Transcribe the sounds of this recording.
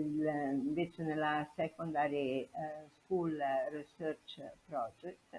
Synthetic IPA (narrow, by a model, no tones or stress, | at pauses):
lvet͡ʃenelasɛkond̪aːɾeskulrisøɾt͡ʃpɾɔd͡ʒɛkt̪